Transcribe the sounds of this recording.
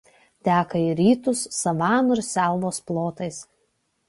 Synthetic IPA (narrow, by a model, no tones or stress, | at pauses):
t̪ʲæːkɐiɾʲiːt̪ʊsːɐʋɑːnʊɪɾsʲæˑlˠʋoːsplˠoːt̪ɐɪs